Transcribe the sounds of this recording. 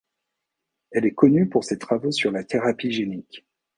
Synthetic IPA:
ɛlɛkɔnypuʁset̪χavosyʁlat̪eʁapiʒenikʲ

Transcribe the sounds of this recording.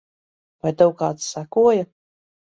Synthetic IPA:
vajt̪ɨwkaːt̪ssakuɔja

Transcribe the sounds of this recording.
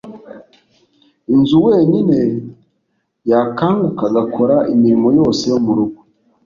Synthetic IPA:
inzuwe̞ːɲine̞ | jakaːŋɡukaɡakʰo̞ɾaʔimiɾimo̞jo̞ːse̞jomuɾuɡo

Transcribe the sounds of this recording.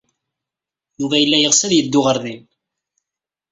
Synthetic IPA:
juvæjəlːæjəʁsæðjəd̪ːʊʁəɾðin

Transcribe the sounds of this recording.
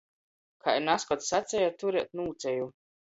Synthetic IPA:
kʰanaskɔt̪sːat̪sʲɛjat̪uɾɛɛt̪̚nuːt̪sɛju

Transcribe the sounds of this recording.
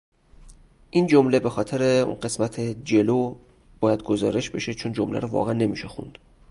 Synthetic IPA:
ʔind͡ʒomle̞be̞xɒːt̪ʰeɾeṵnɢe̞smæt̪ʰed͡ʒe̞loː | b̥ɒːjæd̪̚ɡozɒ̰ːɾe̞ʃbe̞ʃet͡ʃʰond͡ʒomlæ̰ɾɔvɒ̰ːɣeænːe̞miːʃexṵnd̪̥

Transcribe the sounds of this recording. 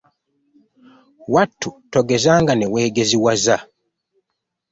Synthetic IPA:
watːutoɡezaːŋɡanewe̞ːɡeziwaza

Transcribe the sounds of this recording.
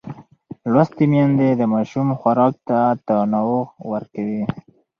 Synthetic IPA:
lwast̪emjɑnd̪ed̪əmɑʃumxwaɾɑk̚t̪at̪ənawowəɾkawi

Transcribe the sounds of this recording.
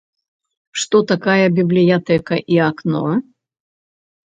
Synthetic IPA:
ʂt̪ɔt̪akajɐbʲiblʲijat̪ɛkɐʔiaknɔ̰

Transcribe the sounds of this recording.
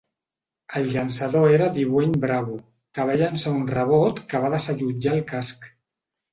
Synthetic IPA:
əlʎansaðoeɾəðiβweɲbɾaβu | kəβ̞ɛʎansəunrəβ̞ot̪kəβ̞aðəsəʎud͡ʒaːlˠkask

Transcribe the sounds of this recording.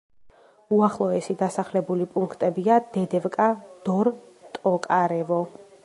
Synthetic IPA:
uaχlˠɔɛsid̪asaχlɛbulipʼuŋkʰt̪ʼɛbiad̪̥ɛd̪ɛvkʼad̪̥ɔɾ | t̪ʼɔkʼaɾɛvɔ

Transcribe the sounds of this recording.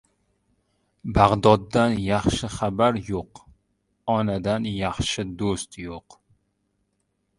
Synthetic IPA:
baʁd̪ɒd̪ːanjɑχʃɪχabaɾjoq | ɒnad̪anjɑχʃɪd̪ost̪joq

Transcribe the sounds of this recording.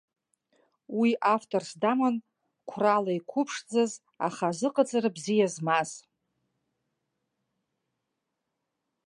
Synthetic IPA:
wiʔaftʰʼorsdaman | kʷʰralaikʷʰʊpʰʂd͡zaz | a̰χazɨqʼad͡zʼaɾabzijazmaz̥

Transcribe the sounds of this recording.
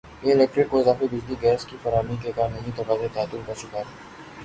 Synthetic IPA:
jeɪlɛːk̚ʈɾɪkːoɪzaːfebɪd͡ʒliɡɛːskifɐɾaːmikekaːnɐɦĩt̪oʋaːzet̪aːt̪ːʊlkɐɾt͡ʃʰʊkaːɛ

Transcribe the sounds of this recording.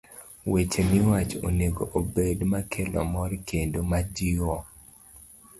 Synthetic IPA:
wet͡ʃemɪwat͡ʃo̰neɡoʔobedmakʰelɔ̰mɔɾkʰendomad͡ʒiwɔ

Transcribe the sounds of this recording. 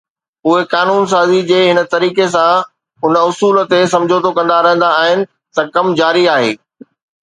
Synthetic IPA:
ʊɦekaːnuːns̬aːzid͡ʑeːɦɪnə̆t̪ɐɾiːkes̬ã | ʊnʊsuːlt̪es̬ɐ̃md͡ʑʱot̪ʰokɐ̃nd̪aɾɐɦə̃n̆d̪aːɦɪnɪ̆ | t̪ɐkɐmd͡ʑaːɾiaːɦḛː

